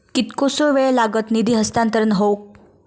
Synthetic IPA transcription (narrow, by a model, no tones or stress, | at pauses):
kit̪kosoʋeɭlaɡət̪nid̪ʱiːɦəst̪ant̪əɾənɦowk̚